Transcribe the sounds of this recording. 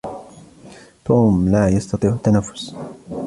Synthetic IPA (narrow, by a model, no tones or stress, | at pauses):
t̪umlaːjɑst̪ɑt̪ˤiːʕt̪ːanafːʊ̥s